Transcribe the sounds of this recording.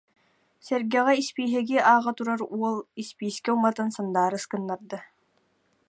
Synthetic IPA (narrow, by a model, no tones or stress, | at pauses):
sɛɾɡɛʁɛispiːɦɘɡiʔaːʁat̪uɾaɾuɔlˠispiːskɛumat̪ɯnsand̪aːɾɯskɯnːaɾd̪ɯ